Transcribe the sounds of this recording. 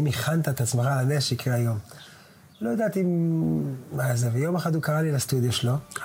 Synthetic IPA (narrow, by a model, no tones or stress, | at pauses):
imiχant̪aet̪at͡smaχalameʃeikʁeajo̞m | lojad̪aːt̪i | mazevejo̞meχathukaʁalilast̪ud̪joʃelo